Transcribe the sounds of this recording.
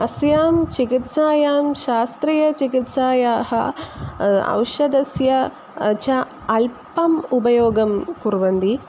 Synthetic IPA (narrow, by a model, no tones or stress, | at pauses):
ɐsjaːmt͡ʃikit̪saːjaːmʃaːst̪ɾijɐt͡ʃikit̪saːjaːɦɐ | ɐ̰wʃɐd̪ɐsjɐ | t͡ʃɐː | lpɐmubɐjoːɡɐmkuɾʋɐnd̪i